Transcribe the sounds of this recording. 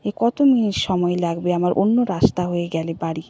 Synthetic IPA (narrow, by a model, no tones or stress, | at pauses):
ekɔt̪ominiʈʃɔmɔelaɡbeamaɾʔo̰nːoɾast̪aɦojeɡɛlebaɽi